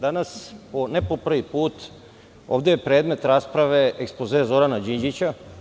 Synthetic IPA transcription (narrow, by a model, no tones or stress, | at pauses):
d̪anasponepo̞pr̩ʋipuːt̪ | oːʋd̪ejepɾeːd̪me̞t̪ɾaːspɾaʋe̞ekspozezo̞ɾanad͡ʑiɲd͡ʒit͡ɕa